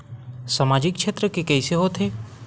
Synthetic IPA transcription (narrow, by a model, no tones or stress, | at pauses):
samaːd͡ʒɪkʃʰet̪ɾəkekɛːseɦot̪ʰeː